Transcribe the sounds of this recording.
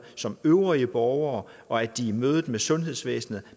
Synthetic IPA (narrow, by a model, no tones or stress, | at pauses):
sɒ̽møʊʁiəb̥ɒʊɐːʔɒ̽æd̥iːmøːðˠð̩ˠmesɔ̽nɦe̝ðˠsʋḛːsn̩ð̩ˠ